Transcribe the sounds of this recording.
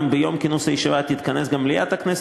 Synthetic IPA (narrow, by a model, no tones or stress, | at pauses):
mbejo̞mkinusajiʃivat̪it̪kɐnesɡamlija̰t̪aknɛs